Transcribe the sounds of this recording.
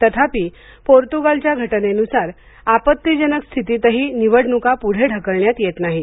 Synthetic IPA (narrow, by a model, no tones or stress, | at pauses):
t̪ət̪ʰapiː | poɾt̪uɡalt͡ɕjaɡʱəʈnenusaɾ | apət̪ːid͡ʑənəkst̪ʰit̪it̪əɦiːniʋəɽnukapuɽ̤eɖʱəkəɭɳjat̪jet̪naɦi